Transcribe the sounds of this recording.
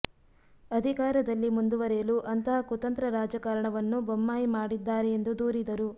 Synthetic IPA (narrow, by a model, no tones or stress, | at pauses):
ɐd̪ʱikaːɾɐd̪ɐlːimund̪uʋɐɾɛjɐluʔɐnt̪ɐɦɐkut̪ɐnt̪ɾɐɾaːd͡ʒɐkaːɾɐɳɐʋɐnːubomːaːjimaːɽid̪ːaːɾeend̪ud̪uːɾid̪ɐɾu